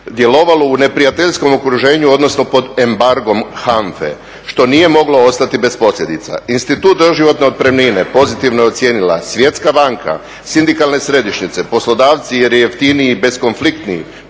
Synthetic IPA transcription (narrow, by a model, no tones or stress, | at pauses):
d̪je̞lo̞ʋalo̞une̞pɾijat̪eʎsko̞mokɾuʒe̞ːɲuod̪no̞sno̞po̞d̪e̞mbaɾɡo̞mxaɱfḛ | ʃt̪o̞nije̞mo̞ɡlo̞o̞st̪at̪ibe̞spo̞slʎʲe̞d̪it̪sa̰inst̪it̪uːt̪̚d̪o̞ʒiʋo̞t̪ne̞o̞t̪̚pɾemnine̞po̞zit̪iʋnojo̞t̪sje̞ːnila̰sʋje̞t̪skabaŋkʰa̰ | sind̪ikalˠne̞sɾe̞d̪iʃɲit̪se̞po̞slo̞d̪aːʋt̪sije̞ɾjeeft̪iniibe̞sko̞nflikt̪niḭ